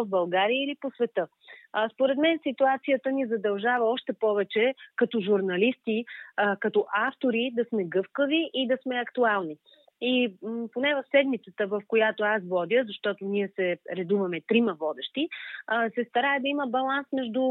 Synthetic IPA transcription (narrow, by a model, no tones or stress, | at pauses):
vbɐlˠɡaɾiəiliposvɛt̪ə | spoɾɛt̪mɛnsit̪uat̪sijət̪ənizɐd̪ɐlˠʒavəɔʃt̪ɛpɔvɛt͡ʃɛkɐt̪ɔʒuɾnɐlist̪ikɐt̪ɔʔaft̪oɾid̪ɐsmɛɡɤfkəviʔid̪ɐsmɛɐkt̪ualˠni | iponɛvɐfsɛd̪mit̪sət̪əvəfkojat̪oasvɔd̪ʲəzɐʃt̪ɔt̪oniɛsɛɾɛd̪uvɐmɛt̪ɾimɐvɔd̪ɛʃt̪isɛst̪ɐɾaɛd̪ɐiməbɐlˠansmɛʒd̪u